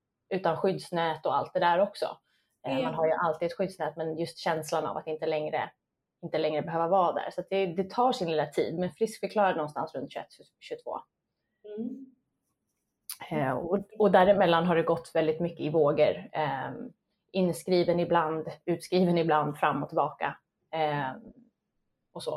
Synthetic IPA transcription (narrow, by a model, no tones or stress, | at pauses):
ʉ̟ːt̪anɧʏd̪snɛːt̪ɔa̰lt̪̚d̪ɛd̪æɾɔksɔ̰ | manɦaɾjɵʔalt̪iːɛt̪ɧʏd̪snɛːt̪mɛnjɵst̪ɕɛnslana̰va̰t̪ɪnt̪əlɛŋɾə̰ | ɪnt̪əlɛŋɾəbɛɦøːvavɑːd̪æ̰ːɾsat̪̚d̪ɛd̪ɛt̪ʰɑːʂɪnlɪlat̪ʰḭːd̪mɛnfɾɪskfœɾkʰlɑːɾad̪ɛnɔnst̪a̰nsɾɵnt̪ɕɵɛ̰t̪ːɕ | ɕɵt̪ʰvo̰ː | ɔɔd̪æːɾɪmɛlːanɦaɖɛɡɔt̪ːvɛld̪ɪt̪mʏkːəɪvoːɡəɾ | ɪnːskɾiːvənɪbland̪ʉ̟ːt̪skɾiːvənɪbland̪fɾamːɔt̪ʰɪlbɑːka̰ | ɔsɔ̰